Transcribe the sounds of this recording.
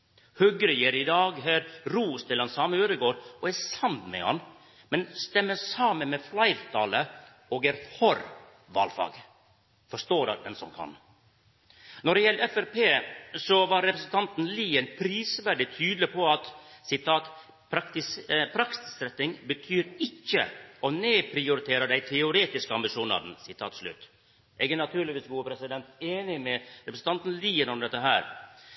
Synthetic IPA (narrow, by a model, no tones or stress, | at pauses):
hœɡɾəjiɾɪd̪ɑːɡɦæːɾɾuːst̪ʰɪlɑnsɑːməøːɾəɡoːɾɔæsɑmt̪mɛ̰hɑ̰n | mɛnst̪ɛmːəsɑːmənmɛflɑɪɾt̪ʰɑ̰ːlə | oːɡæɾhɔɾ | ʋɑ̰ːlfɑ̰ːɡ | fɔʂt̪oːɾɑ̰d̪ɛnsɔmkʰɑ̰n | nɔɖɛjɛlɛfæɾpʰeːsɔʋɑɾːɛpɾəsən̩t̪ʰɑnt̪n̩liːənpʰɾiːsʋæɖɪt̪ʰyːd̪lɪpʰɔɑt̪sɪt̪ʰɑːt̪ | pʰɾɑkt̪ɪspʰɾɑksɪ̥sɾɛt̪nɪŋbət̪ʰyːɾɪkːə̰ɔneːpʰɾɪʊɾɪt̪ʰeːɾəd̪æɪt̪ʰɛʊɾeːt̪ɪskəɑmbɪʂuːnɑ̰d̪n̩sɪt̪ʰɑ̰ːt̪ʂlʉ̰t̪ | ʔɛɡɛnɑt̪ʰʉːɾlɪʋiːsɡuːəpʰɾɛsɪd̪ɛnt̪eːnɪmɛɾɛpɾəsn̩t̪ɑnt̪n̩liːənɔmd̪ɛt̪ːəɦæːɾ